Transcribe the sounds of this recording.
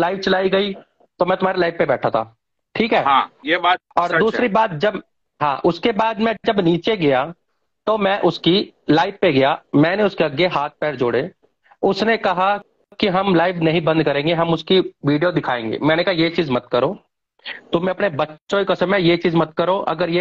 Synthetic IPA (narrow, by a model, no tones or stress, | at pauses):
laːɪʋt͡ʃɐlaːiɡɐi | t̪omɛ̃t̪ʊm̤aːɾelaːɪʋpebɛːʈʰat̪ʰa̰ː | ʈʰiːkɦɛːjeaɔːɾd̪uːsɾibaːt̪̚d͡ʒɐb | ɦãːʔʊskebaːd̪mɛ̃d͡ʒɐbniːt͡ʃeɡɐja | t̪omɛ̃ʔʊskilaːɪʋpeɡɐjamɛ̃ːneʊskeɐɡeɦaːt̪̚ʰpɛːɾd͡ʒoːɽe | ʊsnekɐɦa | kiɦɐmlaːɪʋnɐɦĩbɐ̃nd̪kɐɾẽːŋɡeɦɐmʊskiʋiːɖijod̪ɪkʰaːẽːŋɡḛːmɛ̃ːnekɐɦajet͡ʃiːzmɐt̪kɐɾoː | t̪omɛ̃ɐpnebɐtːʃõikosemẽjet͡ʃiːzmɐt̪̚kɐɾoʔɐ̰ɡəɾje